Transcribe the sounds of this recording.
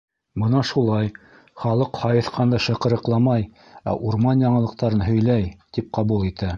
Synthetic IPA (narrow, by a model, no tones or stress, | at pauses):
bɤnɑʃulˠɑj | χɑlˠɤqhɑjɤ̆θqʰɑnd̪ɑʃɤ̆qɤ̆ɾɤ̆qlˠɑmɑj | æ̰ʔuɾmɑnjɑɴɤ̆lˠɤ̆qt̪ɑɾɤnɦɵ̆jlæjt̪ip̚qɑβulˠit̪æ